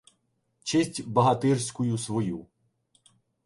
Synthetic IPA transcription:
t͡ʃɪsʲtʲbɐɦɐt̪ɪrsʲkʊjʊsʋɔju

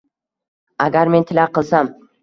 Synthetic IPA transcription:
aɡʲaɾme̞nt̪ʰɪlaqɨlˠsam

